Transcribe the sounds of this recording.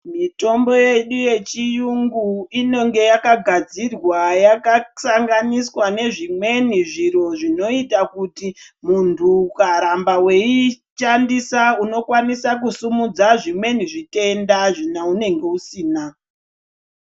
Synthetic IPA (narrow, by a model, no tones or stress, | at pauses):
mito̞mbo̞je̞ɗuje̞t͡ʃijuŋɡuino̞ŋɡe̞jakaɡʱad͡zirwajakasaŋɡaniswane̞ʐimwe̞niʐiɾo̞ʐino̞itakuti | muntʰukaɾambawe̞i | ʃandisauno̞kwanisak̬usumud͡zaʐimwe̞niʐite̞ndaʐinaune̞ŋɡe̞usiːna